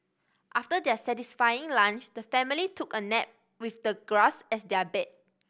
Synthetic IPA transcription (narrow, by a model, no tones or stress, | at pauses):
ʔaftədɛsɛtisfajɪ̃ŋlãnt͡ʃdəfɛ̃militʰukənɛp̚ | wifdəɡɹasɛsdɛbɛt̚